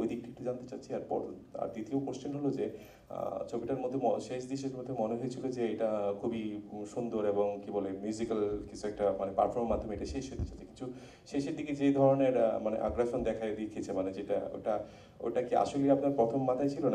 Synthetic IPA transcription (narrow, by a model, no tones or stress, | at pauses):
ojd̪ik̚ʈik̚ʈud͡ʑant̪e̥t͡ɕatːɕʰiaɾpɔ̰ɾa̰ɾd̪it̪iopoɾʃt͡ɕenɦolod͡ʑḛ | t͡ɕʰobiʈaɾmod̪ʱːeoʃeʃd̪iʃ̬eɾmod̪ʱːemoneɦojet͡ɕʰilod͡ʑeejʈakʰubiʃund̪oɾeboŋkibolemjuzikalkit͡ɕʰuɛk̚ʈamanepa̰ɾfʰoɾmmad̪ʱːomejʈaʃeʃɦojt̪e̥t͡ɕatːt͡ɕʰe̥kint̪ʰu | ʃeʃeɾd̪iked͡ʑejd̪ʱɔɾoneɾmanḛʔa̰ɡɾeʃond̪ɛkʰaed̪ekʰiet͡ɕʰemaned͡ʑeʈa̰o̰ʈa | o̰jʈakia̰ʃoliapnaɾpɾɔt̪ʰomːat̪ʰaet͡ɕʰilona